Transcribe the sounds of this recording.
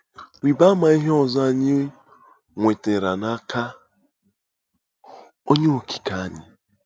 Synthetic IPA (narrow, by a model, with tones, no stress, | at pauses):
wi˨ba˦ma˨i˦ɦe˦ɔ˨zɔ˦a˨ɲɪ˦ | ŋʷe˨te˨ɾa˨na˦ka˦ | o˦ɲe˦o˨kʰi̥˨ka˨a˦ɲɪ̰˨